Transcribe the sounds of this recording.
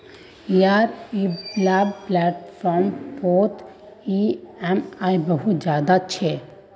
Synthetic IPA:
iaːɾiblabplɛːʈfʰɔɾmpot̪ | iɛmajbəɦud͡ʒjaːd̪at͡ʃʰe

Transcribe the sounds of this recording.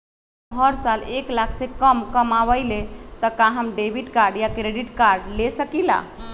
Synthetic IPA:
ɦəɾsaleklakʰsẽkəmkəmaβəɪlet̪əkaɦəmɖebʱiʈkaɾɖjakɾeɖiʈkaɾɖlesəkila̰

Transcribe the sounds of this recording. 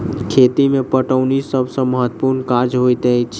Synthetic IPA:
kʰet̪imẽpəʈəʊnisəbʱsə̃məɦət̪ːpuɾnkaɾd͡ʒɦot̪ət͡ʃʰ

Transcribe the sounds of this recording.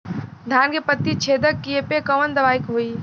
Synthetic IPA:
d̪ʱaːnkepət̪ːit͡ʃʰeːd̪əkːiepekɐʋənd̪ɐʋaːɪkɦoːiː

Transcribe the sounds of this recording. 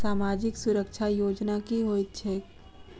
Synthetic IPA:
saːmaːd͡ʒɪksʊɾəkʃʰajoːd͡ʒnakiɦoːit̪̚t͡ʃʰɛː

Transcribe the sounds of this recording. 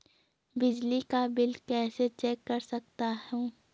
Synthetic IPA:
bɪd͡ʒlikabɪlkɛːset͡ʃeːkːɐɾsɐk̚t̪ahũː

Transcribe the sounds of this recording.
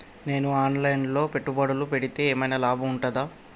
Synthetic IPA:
ne̞ːnuaːnlɐjnlo̞ːpe̞ʈːubɐɽɐlupe̞ɽit̪e̞ːeːmɐjnalaːbʱuːɳʈɐd̪aː

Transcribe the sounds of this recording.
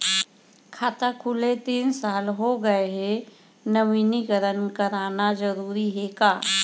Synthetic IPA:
kʰaːt̪akʰʊlet̪iːnsaːlɦoɡəeɦe | nɐʋiniɡəɾənkəɾaːnazəɾuːɾiɦɛkaː

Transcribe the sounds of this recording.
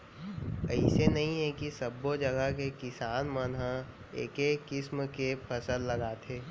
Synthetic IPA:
əɪsenɐɦĩɦɛkisɐbːod͡ʒɐɡəkekɪsaːnmənɦã | ḛːkekːɪsmkepʰɐsəlːɐɡaːt̪ʰeː

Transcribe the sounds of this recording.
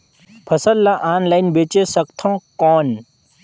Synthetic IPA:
pʰɐsəlːaʔaːnlainbeːt͡ʃesɐkt̪ʰɔ̃ːkɔːn

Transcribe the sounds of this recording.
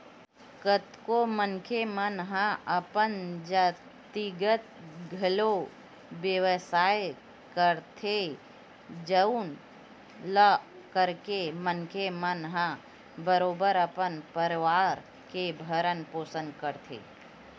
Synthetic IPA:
kət̪komənkʰemənɦãəpənd͡ʒə | t̪iɡət̪̚ɡʱəlo | bjəwsaːj | kəɾt̪ʰe | d͡ʒəun | lə | kəɾkemənkʰemənɦã | bəɾoːbəɾəpənpəɾɪʋaːɾ | kebʱəɾənpoːsə̃nd̪̚kəɾt̪ʰḛː

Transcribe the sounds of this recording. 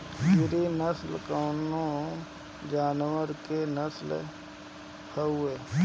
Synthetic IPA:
pɪɾinəslkəːnõ | d͡ʒaːnwəɾkenəsl | həueː

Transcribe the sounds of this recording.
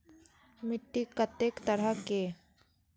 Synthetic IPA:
mɪʈːikət̪ːeːkt̪əɾəke

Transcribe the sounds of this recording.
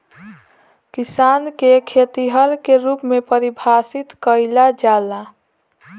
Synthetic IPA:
kisankekʰet̪iɦəɾkeɾupmepəɾibʱasit̪kəɪlad͡ʒala

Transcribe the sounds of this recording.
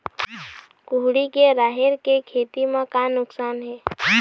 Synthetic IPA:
kʊɦɽikeɾaːɦɪɾkekʰeːt̪imẽkanʊksaːnɦɛː

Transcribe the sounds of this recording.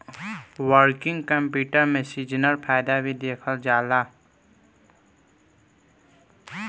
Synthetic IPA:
wəɾkɪ̃ŋɡkəmpjuːʈəɾmẽsid͡ʒnəɾpʰaːjd̪abʱid̪eːkʰəld͡ʒaːlaː

